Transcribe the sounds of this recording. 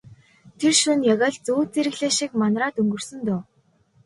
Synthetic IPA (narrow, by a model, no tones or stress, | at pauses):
t̪ʰerʃunjaɣaːɮt͡suːt͡seɾɘ̆ɣɮeːʃikmanraːt̪ɵŋɡɵ̆rsɵ̆nt̪ʊː